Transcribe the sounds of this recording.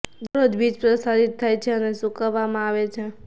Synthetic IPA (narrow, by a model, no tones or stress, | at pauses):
d̪uɾod̪bʱit͡ʃpɾəsaɾit̪ʰːajt͡ʃʰɛnesukəbamaβet͡ʃʰɛ